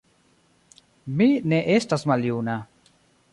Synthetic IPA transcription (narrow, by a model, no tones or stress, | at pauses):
mineʔest̪asmaljuna